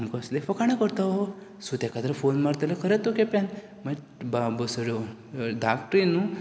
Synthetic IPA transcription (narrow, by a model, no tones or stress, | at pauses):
mkəslefəkaɽ̃akəɾt̪ao | sut̪akat̪ɾəfonmaɾt̪əlakʰəɾet̪okepan | mə | babəsəɽjo | ɖakʈɾinu